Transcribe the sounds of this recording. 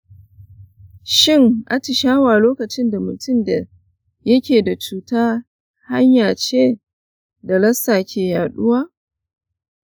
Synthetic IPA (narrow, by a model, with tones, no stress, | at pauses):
ʃɪ˦˨ŋʔa˦tɪ˨ʃaː˦waː˨loː˦kɐ˨t͡ʃɪ˦nda˨mʊ˨tʊ˦˨mda˨ | jɐ˦kʲeː˨da˨t͡ʃuː˨taː˦ | ha˦ɲjaː˨t͡ʃeː˦ | da˨lɐ˦saː˨kʲʰeː˨jaː˨ɗʊ˦waː˦